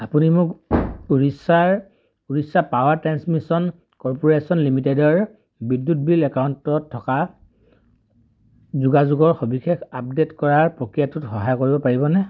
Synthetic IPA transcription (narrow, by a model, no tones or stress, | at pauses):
apunimʊkuɹisaɹ | uɹisapawaɹtɹansmisɔn | kɔɹpɔɹesɔnlimitedɔɹ | bidːut̚bilɛkawntɔtʰːɔka | zuɡazuɡɔɹxobixekap̚detkɔɹaɹpɹokɹijatutxɔɦajkoɹibɔpaɹibɔnɛ